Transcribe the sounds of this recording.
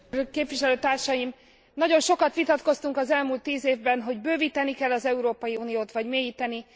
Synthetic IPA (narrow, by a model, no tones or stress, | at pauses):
keːpʋiʃɛløːt̪aːrʃɒjim | nɒɟo̞nʃo̞kɒt̪ʋit̪ɒt̪ko̞st̪uŋkɒzɛlmuːlt̪ːiːzeːvbɛnɦo̞ɟbøːviːt̪ɛnikɛlːɒzɛuɾoːpɒjiuːnijoːt̪ʋɒɟmeːjiːt̪ɛni